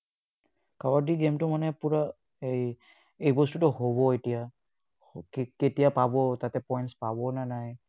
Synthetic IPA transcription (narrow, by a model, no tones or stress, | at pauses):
kawaɹdiɡemtʊmanɛpuɹa | ej | ejbɔstutʊhobɔetija | kketijapabɔtatɛpɔjntspabɔnanaj